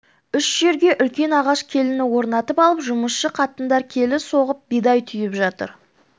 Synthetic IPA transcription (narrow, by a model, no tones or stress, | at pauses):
ʏʃʒ̥e̞ɾɡʲe̞ʔʏlkʲe̞nɑʁɑʃkʲʰe̞lɪnɪwo̞ɾnɑt̪əpɑlˠəpʒʊməsʃəqʰɑt̪ənd̪ɑɾkʲʰe̞lɪso̞ʁəp̚bid̪ɑjt̪ʰʏjɪpʒɑt̪ə̰ɾ